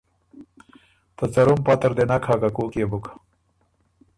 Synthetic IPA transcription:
t̪ɐt͡sɐɾumpat̪ɐɾd̪enakʰhakakoːkebukḁ

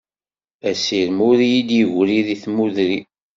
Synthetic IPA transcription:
æsiɾmʊɾjid̪jəʝʷɾiðiθmuðɾi

